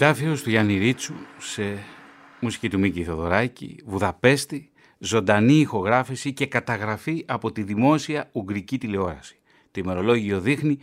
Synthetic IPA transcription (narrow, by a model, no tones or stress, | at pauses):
t̪ɐfiost̪uʝɐniɾit͡suse̞ | musi̥cit̪umiciθo̞ðo̞̰ɾɐcḭvuðɐpe̞st̪i | zo̞nd̪ɐniːxo̞ɣɾɐfisice̞kɐt̪ɐɣɾɐfiʔɐpo̞t̪iðimo̞siɐuɡɾicit̪ileo̞ɾɐ̰si̥ | t̪ime̞ɾo̞lo̞ʝio̞ðixni